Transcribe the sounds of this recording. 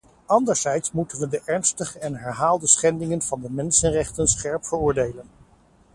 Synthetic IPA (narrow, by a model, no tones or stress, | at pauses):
ɑndəɹz̥ɛjtsmutənʋədəʔɛɹnstəχəɛnɦɛɹɦaːlˠdəsχɛndɪŋənv̥ɑndəmɛnsənrɛχtənsχɛɹpfəɹʊːɹdejlən